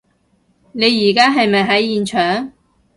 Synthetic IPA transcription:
ne˨˧jːiː˨˩kaː˥ɦɐ˨jmɐ˨jɦɐ˨˥jːiː˨nt͡ʃʰœː˨˩ŋ

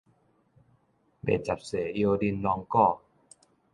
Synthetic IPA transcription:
bḛ˨˩t͡ɕa˨˩p̚seː˨˩˦ʔi˧o˧di˧˨nlɔː˧ŋkɔː˥˩

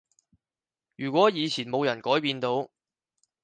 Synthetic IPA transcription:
jyː˨˩kʷɔː˨˥jiː˨˧t͡sʰiː˨˩nmo˨˧wjɐ˨˩nkɔː˨˥jpiː˧nt̪o˨˥w

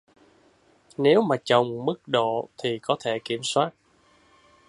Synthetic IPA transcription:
ne˨˦wmaː˨˩t͡ɕə˨˩wŋ͡mmɨ˦˥k̚ɗo̰˧˨t̪ʰi˨˩kɔ˨˦t̪ʰe˧˩ki˧˩əmswaː˦˥t̚

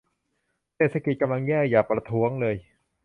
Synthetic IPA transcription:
seː˨˩t̪̚sʰa˧ki˨˩ka˧mla˧ŋːɛː˥˩jaː˨˩k̚pɾa˧t̪ʰu˦˥əŋlɤː˧j

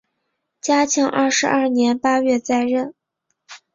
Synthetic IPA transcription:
t͡ɕja˥t͡ɕʰɑ˧˥ŋʔɐ̰˥˩ʂɻ̩˧˥ʔɐ˥˩njɛ˧˥npa˥ɥɛ˥˧t͡sa˥˧ɪɻə˥˩n

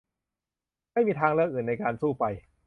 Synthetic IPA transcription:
ma˥˩jmiː˧t̪ʰaː˧ŋɾɤ˥˧ək̚ʔɯː˨˩nːa˧jkaː˧nsuː˥˩pa˧j

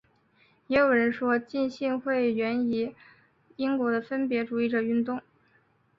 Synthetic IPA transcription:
jɛ˧˥jo˨˩ʊɻə˧˥nʂwɔ˥t͡ɕi˥˧nɕi˥˧ŋxwe˥˩ɪɥɛ˧˥ni˧˥ | i˥ŋkwɔ˧˥d̪ə˧fə˥npjɛ˧˥ʈ͡ʂu˨˩i˥˩ʈ͡ʂə˨˩y˥˧nt̪ʊ˥˩ŋ

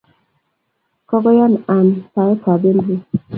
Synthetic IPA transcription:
kɔ˦ɡɔ˦ja˦˨na˨npa˨ɛ˦ka˨be˦n˦di˦

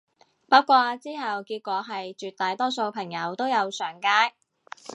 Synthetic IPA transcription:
pɐ˥kʷɔː˧t͡siː˥ɦɐ˨wkiː˧t̚kʷɔː˨˧˥ɦɐ˨jt͡ʃyː˨˩t̚t̪aː˨jt̪ɔː˥so˧wpʰɐ˨˩ŋjɐ˨˧wt̪o˥wjɐ˨˧wsœː˨˩ŋkaː˥j

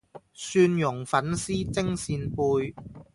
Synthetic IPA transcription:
syː˧njʊ˨˩ŋfɐ˨˥nsiː˥t͡sɪ˥ŋsiː˧npuː˧j

